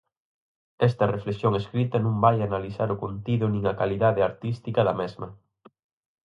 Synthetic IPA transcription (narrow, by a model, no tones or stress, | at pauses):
ɛst̪ɐreflesjoŋeskɾit̪ɐnũmbajanalisaɾʊkont̪iðʊnĩŋɐkaliðaðeaɾt̪ist̪ikɐðɐmɛzmɐ